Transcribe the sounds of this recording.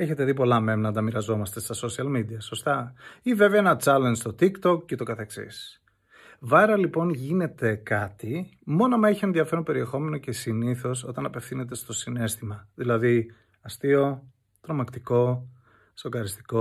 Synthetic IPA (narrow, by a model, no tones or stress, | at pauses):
e̞çe̞t̪eðip̬o̞lɐme̞mnɐnd̪ɐmiɾɐzo̞mɐst̪e̞st̪ɐso̞siɐlmid̪iɐso̞st̪ɐive̞veɐenɐt͡sɐlenzt̪o̞t̪ikt̪o̞kcet̪o̞kɐθe̞ksḭs | vɐɾɐlipo̞nʝine̞t̪e̞kɐt̪imo̞nɐmɐeçie̞nðiɐfe̞ɾompe̞ɾie̞xo̞me̞no̞ce̞siniθo̞so̞t̪ɐnɐpefθine̞t̪̬e̞st̪o̞sine̞st̪imɐðilɐði | ɐst̪io̞ | t̪ɾo̞mɐkt̪iko̞ | sokɐɾist̪i̥ko̞